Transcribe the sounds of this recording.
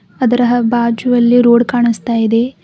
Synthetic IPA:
ɐd̪ɐɾɐɦɐbaːd͡ʒuʋɐlːiɾoːɽkaːɳist̪aːjid̪e̞

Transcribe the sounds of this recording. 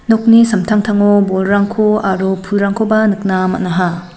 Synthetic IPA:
nok̚nisɐmtʰaŋtʰaŋobolɾaŋkʰoaɾupʰulɾaŋkʰobanɯk̚namɐ̰tnaɦa

